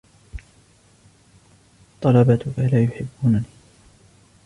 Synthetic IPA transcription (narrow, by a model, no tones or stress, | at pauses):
t̪ˤːɑlɑbat̪ʊkalaːjʊħɪbːuːnaniː